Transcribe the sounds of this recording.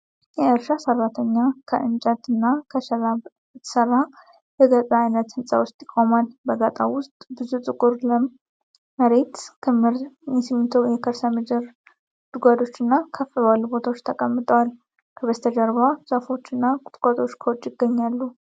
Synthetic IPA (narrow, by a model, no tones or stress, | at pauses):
jɛɨɾʃasərːat̪ʰəɲːakʰəʔɨnd͡ʒat̪ɨnːakʰəʃəḁ | səɾːa | bəɡəzʼəajnət̪hɨnsʼa̰wʊst̪ʼjɪkʼomalbəɡat̪ʼa̰wʊst̪ʼbɨzut̪ʼɨkʼuɾlə | məɾe̞t̪kʰəmɾjɛsimit̪ʰowjɛkʰəɾsamɨd͡ʒəɾ | d̪̥ɨɡʷad̪o̞t͡ʃːɨnːakʰəfəβalːubo̞t̪ʰawot͡ʃːt̪ʰəkʼəmːɨt̪ʼəwal | kʰəβəst̪ʰəd͡ʒaɾbwasʼəfo̞t͡ʃːɪnːakʼʊt̪ʼkʼot̪ʼo̞t͡ʃːkʰəwot͡ʃːɪɡːəɲːalːu